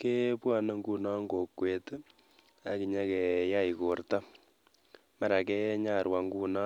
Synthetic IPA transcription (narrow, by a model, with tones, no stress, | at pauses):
ke˦pwa˦˨na˨ŋɡu˦˨na˦ŋɡo˨kːwe˨t | a˨ki˨ɲa˦kɛ˨ja˦i˨ko˨rta˦ | ma˦˨ɾa˨kɛ˦ɲa˦˨ɾwa˨ŋɡu˦˨na˦